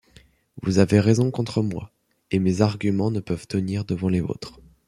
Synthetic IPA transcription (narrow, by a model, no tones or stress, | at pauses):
vuzaveʁezɔ̃kɔ̃t̪χəmwa̰ | emezaʁɡʲymɑ̃nəpœvt̪əniʁd̪əvɑ̃levo̰t̪χ